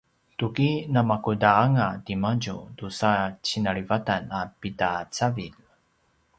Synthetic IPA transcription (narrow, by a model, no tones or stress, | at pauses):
tukinamakudaaŋadimaɟudusat͡ɕinaɾivatanapitat͡savil